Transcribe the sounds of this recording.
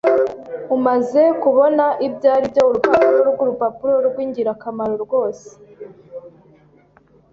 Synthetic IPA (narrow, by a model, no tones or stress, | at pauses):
umaze̞kuβo̞naʔibɟaːɾibjouɾupapuɾoɾuɡuɾupapuɾo̞ɾɡwiːɲɟiɾakamaɾo̞ɾɡo̞ːse̥